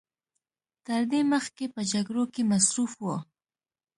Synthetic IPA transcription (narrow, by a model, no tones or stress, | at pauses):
t̪əɾd̪eməxkepəd͡ʒaɡɾokemasɾufwo